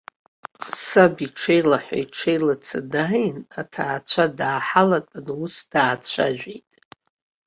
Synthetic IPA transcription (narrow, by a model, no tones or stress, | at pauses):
sabiʈ͡ʂʰejlaħʷa̰iʈ͡ʂʰejlat͡sʰɨdajnatʰaːt͡sʷʰadaːħalatʼanusd̥aːt͡ɕʷʰa̰ʒᶣḛjtʼ